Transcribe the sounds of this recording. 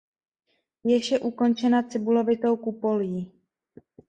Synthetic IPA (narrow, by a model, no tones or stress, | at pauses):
jɛʃɛʔuko̞nt͡ʃɛnat͡sɪbulo̞vɪt̪o̞wkupo̞ljiː